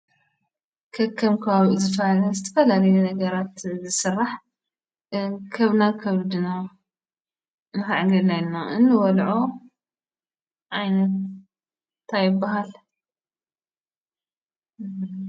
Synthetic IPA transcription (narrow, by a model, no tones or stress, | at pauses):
kʰɐkʰːɐmkʰɐβaβiʔzɨfɐalɐzɨt̪ʰɐfɐlalɐjunɐɡɐɾat̪zɨsɨrːaħ | kʰɐβnakʰɐβd̪ɨna | nɨxaʕaŋɡɐlajnːaʔɨnːɨwɐlʕo | ʕajnɐt̪ | t̪ʰajɪbːaɦal